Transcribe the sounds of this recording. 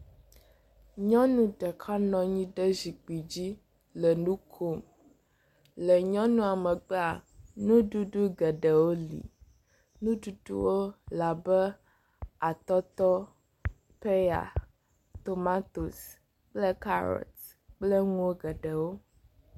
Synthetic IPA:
ɲɔ̃˦nũ˦ɖɛ˨kʰa˦nɔ̃˨ɲĩ˦ɖɛ˦zi˨k͡pi˨d͡ʑi˦ | lɛ˨nũ˦kʰo˦m | lɛ˨ɲɔ̃˦nũ˦a˨mɛ˨k͡pɛ˦a˨nũ˦ɖu˦ɖu˦ɡɛ˨ɖɛ˨wo˦lḭ˨ | nũ˦ɖu˦ɖṵ˦wo˦la˨bɛ˦ | a˨t̪ɔ˦t̪ɔ˦ | pe˦ja̰˨ | t̪o˨ma˦t̪o˨s | k͡plɛ˦ka̰˦ɾɔ̰˨t̪ | k͡plə˦ŋũ˦wo˦ɡɛ˨ɖɛ˨wo˦

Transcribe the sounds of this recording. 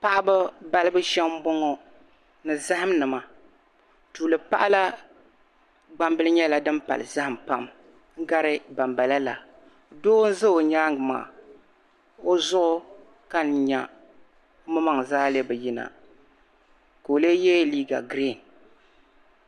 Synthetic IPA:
pa˦ʔa˦bɨ˦ba˦lɨ˦bɨ˦ʃɛ˦m˦bo˦ŋo˦ | nɨ˨za˦ha˦m˦nɨ˨ma˨ | tuː˨lɨ˨pa̰˦ʔa˦la˦ | ɡ͡ba˦mbɨ˦lɨ˦ɲɛ˦la˨dɨ˦mpa̰˨lɨ̰˨za˦hɨ˨mpa˦m | ŋ̩˦ɡa˦ɾɨ˦ba˨mba˨la˦la˨ | doː˦n̩˦zɨ˦o˨ɲaː˦ŋɨ˨ma̰ː˨ | o˦zʊ˦ʔʊ˦ | ka˦n˨ɲa̰˨˦ | mɨ˦ma˦ŋ˨zaː˦le˦bɨ˨ji˦na̰˨ | ka˨o˨le˦jɛ˦liː˦ɡa̰˨ɡɾe˦˨n

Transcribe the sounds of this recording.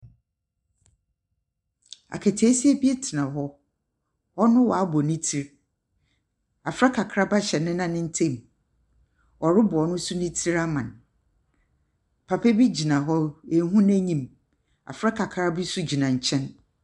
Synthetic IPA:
a̰˨kʰæ˨tʰi˨˦si˦e˦bi˦e˦tʰɪ˨nã˨ɦɔ˦ | ɔ˦nʊ̃˦wɔ˨a˦bɔ˨nĩ˦tʰi˦ɾ | a˨fɾa˦kʰa˨kʰɾa˦ba˦ɕɛ˨nɪ̃˦nã˦nɪ̃˦n̩˦tʰẽ˦˨m | ɔ˨ɾɪ˦bʊ˨ɔ˨nʊ̃˦su˦nĩ˦tʰi˦ɾa˦mã˨n | pʰa˨pʰɛ˦bi˦d͡ʑi˨nã˨ɦɔ˦e˨˦ɦũ˦n˦æ̃˦ɲĩ˨m | a̰˨fɾa˦kʰa˨kʰɾa˦bi˦su˦d͡ʑi˨nã˨ɲ̩˨t͡ɕʰɛ̃˦n

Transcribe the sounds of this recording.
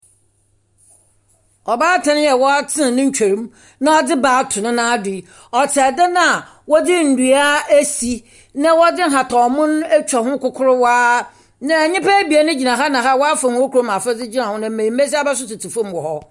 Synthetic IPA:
ɔ˨baː˦tʰã˨nɪ̃˦jɛ˨wɔ˦a˦tʰɪ̃˦˨nɪ̃˦ɲ̩˦t͡ɕᶣʰa˨ɾũ˦m | nã˦ɔ˦dɪ˦baː˨˦tʰʊ˨nʊ̃˦nã˦dɪ˨ | ɔ˨tʰɪ˨a˨da˦nã˦a˨ | wɔ˦dɪ˦n̩˨du˨a˦æ˦si˨ | nã˦wɔ˦dɪ˦ɦa˨tʰɔ˨mʊ̃˦n˦æ˦t͡ɕᶣa˨ɦʊ̃˦kʊ˨kʰʊ˦ɾʊ˦waː˦ | nã˨ɲɪ̃˦pʰa˦bi˨a˨nʊ̃˦d͡ʑi˨nã˨ɦa˦nã˨ɦa˦˨wɔ˦a˦fã˨hʊ̃˨o˦kʰu˨ɾo˦m˨a˨fɛ˦d͡zɪ˦d͡ʑi˦nã˨hʊ̃˦nã˨m̩˨mẽ˨i˨m̩˦e˦s̬i˦a˦ba˦s̬ʊ˦tʊ˨tʰi˨fʊ̃˦m˦wɔ˨hɔ˦

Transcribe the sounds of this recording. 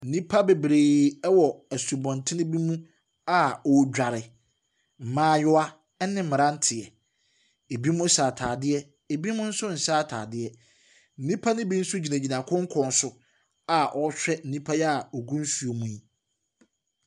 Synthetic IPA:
n̩˨nĩ˦pʰa˦be˨bɾeː˨ɛ˦wɔ˨æ˨su˨bɔ̃˨ntʰɪ˦nɪ̃˦bi˦mũ˦ | a˦ɔ˦d͡ʑᶣa˨ɾɪ˨ | m̩˨mãː˦jʊ˦a˦ | nɪ̃˦m̩˨mɪ̃˨ɾã˦n̩˦tʰɪ˨ɛ˨ | e˨bi˦mũ˦saː˨tʰaː˨dɪ˦ɛ˦ | e˨bi˦mʊ̃˦n̩˦sʊ˦n̩˨saː˦tʰa̰ː˨dɪ˦ɛ˦ | n̩˦nĩ˦pʰa˦nɪ̃˦bi˦n̩˦sʊ˦d͡ʑi˨nã˨d͡ʑi˨nã˨kʰʊ̃˦ŋ̩˦kʰɔ̃˨n̩˨sʊ˨ | a˨ʔɔ˦ɕᶣɛ˦n̩˨ĩ˦pʰa˦jɛ˦a˨ɔ˨ɡũ˦n˦su˨o˨mũ˦i˦

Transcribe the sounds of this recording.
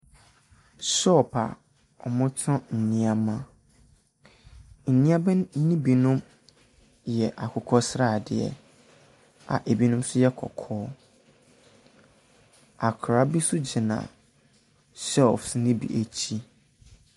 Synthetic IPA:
sɔ˦˨pʰa̰˨ | ɔ˨mʊ̃˦tʰɔ̃˦n̩˨nĩ˦a˦mã˦ | n̩˨nĩ˦a˦bɛ̃˦nĩ˦bi˨nʊ̃˦m | jɛ˨ʔa˨kʰʊ˨kʰɔ˦sɾa˦˨dɪ˨ɛ̰˨ | a̰˨ʔe˨bi˦nʊ̃˦msʊ˦jɛ˦kʰɔ̰˨kʰɔː˦ | a˨kʰɾa˦bi˦sʊ˦d͡ʑɪ˨nã̰˨ | sɛ˦˨fsnĩ˦bḭ˨ʔæ˨t͡ɕʰi˦

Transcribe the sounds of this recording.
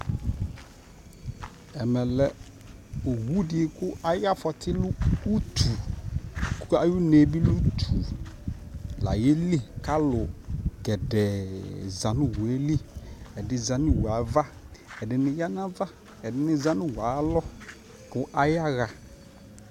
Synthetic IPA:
ɛ˨mɛ˨lɛ˨ | o˨wu˦dɪ˨e˨kʊ˦a˦ja˦fɔ˨tʰɪ˦lʊː˦tʰu˨ | kʊ˦a˦jʊ˦ne˨˦bi˦lu˦tʰu˨ | la̰˨je˦li˦˨ka˦lʊ˨ɡɛ˨dɛ˨za˨nʊ̃˦wʊ˨e˦li˦ɛ˨dɪ˨˦za˨nɪ̃˦wa˨˦va˦ɛ˨dɪ˨nɪ̃˨ja˦n˦ã˦va˦ | ɛ˨dɪ˦nɪ̃˦zã˦nʊ̃˦wa˨˦lɔ˦ | kʊ˦ʔa˦ja˦ɣa˨

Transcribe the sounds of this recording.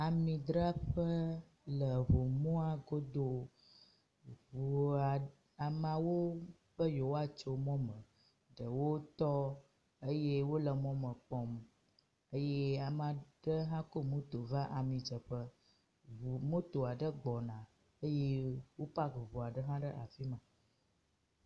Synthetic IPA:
a˨mĩ˨d̪ɾa˦ɸə˦ | lə˨vo˨mɔ̃˦a˨ɡo˦d̪o˦ | vu˨a˨ | a˨mã˨wo˦ | ɸə˦jo˨wo˦a˦t͡ʃo˨mɔ̃˦mə̃˨ | ɖə˨wo˦t̪ɔ˦ | ə˦je˦wo˦lə˨mɔ̃˦mə̃˨k͡pɔ̃˦m | ə˦je˦a˨mã˨ɖə˦ɦã˦ko˦mũ˦t̪o˨vã˦ʔa˨mĩ˨d͡ʒə˨ɸə˦ | o˨mũ˦t̪o˨a˨ɖə˦ɡ͡bɔ˨nã˨ | ə˦je˦wo˦pa˦ɡo˨vo˨a˨ɖə˦ɦã˦ɖə˦ʔa˨fi˦mã˨

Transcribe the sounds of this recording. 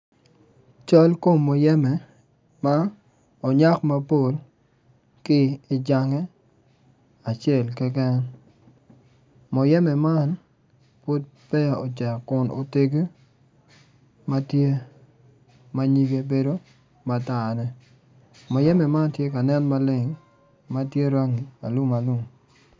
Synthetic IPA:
t͡ʃɔ˦lko˦˨mːo˨jɛ˦mɛ˨ | ma˦ | o˨ɲa˦kma˦po˦˨l | kɪː˦d͡ʒa˨ŋɛ˦ | a˨t͡ʃe˨lkɛ˦kɛ˦n | mɔ˨jɛ˦mɛ˨ma˦n | pwo˦t̚pɛ˦˨o˨t͡ʃɛ˨kʊ˨nʔo̰˨te˦ɡe˦ | ma˦tje˦ | ma˦ɲi˦vje˦be˨do˦ | ma˨ta˨nɛ˦ | mɔ˨jɛ˦mɛ˨ma˦ntje˦ka˨nɛ˦nma˦lɪ˦˨ŋ | ma˦tje˦ɾa˦ŋi˨a˨lu˦ma˨lu˦m

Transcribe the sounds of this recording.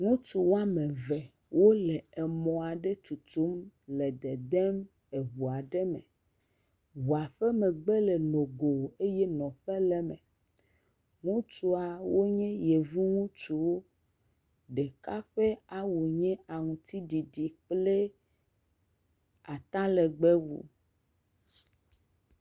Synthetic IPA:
ŋũ˦t͡ʃu˨wo˦a˦mẽ˨vɛ˨ | wo˦lɛ˨e˨mɔ̃˨a˨ɖe˦t͡ʃu˨t̪u˦mle˨d̪ɛ˨d̪ɛ˦m | e˨βu˨a˨ɖɛ˦mɛ̰̃˨ | βu˨a˨ɸɛ˦mɛ̃˨ɡ͡be˦le˨nõ˨ɡo˨e˦jɛ˦nɔ̃˨ɸɛ˦lɛ˦mɛ̰̃˨ | ŋũ˦t͡ʃu˦a˨wo˦ɲɛ̃˦je˨vi˦ŋũ˦t͡ʃu˦wo˦ | ɖe˨ka˦ɸe˦a˦wu˨ɲɛ̃˦a˨ŋũ˨t̪i˦ɖi˨ɖi˨k͡ple˦ | a˨t̪a˦le˨ɡ͡be˦wṵ˦

